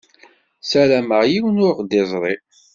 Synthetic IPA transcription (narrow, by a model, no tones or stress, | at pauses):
sæɾæməʁjiwənʊɾqd̪ɪzˤɾˤi